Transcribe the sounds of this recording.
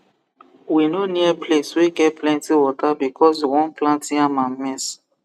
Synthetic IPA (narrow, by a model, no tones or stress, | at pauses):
winoniɛpʰleswiɡɛt̚plɛ̃ntiwɔtabikʰɔs̬iwɔ̃nplãntĩamãmɛs